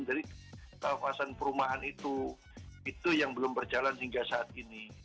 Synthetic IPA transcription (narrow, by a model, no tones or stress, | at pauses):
ndaɾikapasanpəɾumaɦanit̪u | it̪ujaŋbəlʊmbərd͡ʒalanɦiŋɡasaːt̪̚ini